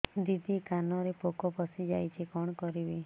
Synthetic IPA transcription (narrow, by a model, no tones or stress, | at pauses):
d̪id̪ikanɔɾepokɔpɔsid͡ʒajt͡ʃʰikɔɽ̃kɔɾibi